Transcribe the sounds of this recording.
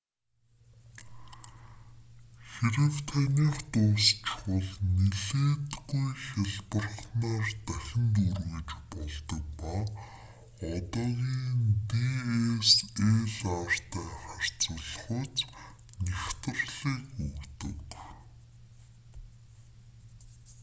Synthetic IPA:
xeɾɘ̆wt̪ʰænʲiːχt̪ʊːst͡ɕwə̆ɮneɮeːt̪ɡujxʲaɮpə̆rχnaːrt̪æxʲɪ̆nt̪urɣɘ̆t͡ɕpɔɮt̪ɞ̆k̚paː | ɔt̪ɔːɣiːnt̪ieseɮar̥t̪ʰæːχar̥t͡sʊ̆ɮχʊt͡s | next̪ə̆rɮiːkɵɣt̪ɵ̰̆k

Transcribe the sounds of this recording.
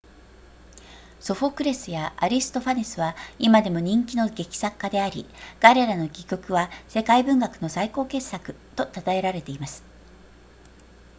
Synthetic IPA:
so̞ɸo̞kɯ̟ɾe̞sɨjaʔaɾʲisɨ̥t̪o̞ɸaɲʲisɨβaimad̪e̞mo̞ɲ̟ĩŋkʲino̞ɡe̞kʲi̥sakːad̪e̞aɾʲiɡ̥aɾe̞ɾano̞ɡʲikʲo̞kɯ̟βase̞kaibɯ̟̃ŋɡakɯ̟̥no̞saiko̞ːke̞sːakɯ̟̥ | t̪o̞t̪at̪ae̞ɾaɾe̞t̪e̞imasɨ̥

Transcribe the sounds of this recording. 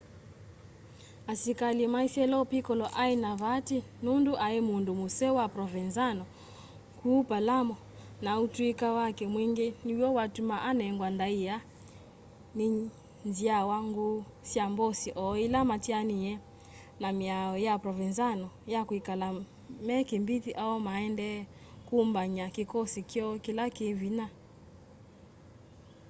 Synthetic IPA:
asikalimaisiɛlɔpikɔlɔʔainaβatinunduʔaɛmundumusɛwapɾɔvɛnzanɔ | kuːpalamɔ | nautuikawakɛmwiŋɡɛniwɔwatumaʔanɛŋɡwandaia | ni | nziawaŋɡu | siambosiʔɔilamatianiɛ | namiaɔjapɾɔvinzanɔjakwikala | mɛkembitiʔaɔmaɛndɛ | kumbaɲakikɔsikjɔkilakevina

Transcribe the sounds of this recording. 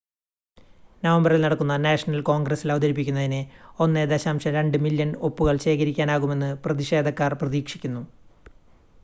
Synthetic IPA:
nɐʋɐmbɐrilnɐɽɐkːunːɐnaːʂɐnɐlko̞ːŋɡrɐsilɐʋɐd̪ɐɾip̬ːikʲːunːɐðineonːed̪eɕaːmɕɐɾe̞ɳɖɨmiljɐno̞pːuɣɐɭɕe̞ːkɐɾikʲːaːnaːɣume̞nːɨprɐðiɕe̞ːd̪ʱɐkːaːrprɐðiːkʂi̥kʲːunːu

